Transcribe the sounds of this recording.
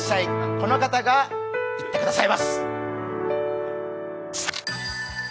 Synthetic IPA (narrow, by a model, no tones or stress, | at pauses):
sːaiko̞no̞kat̪aɡait̪ːe̞kɯd̪asaimasɨ̥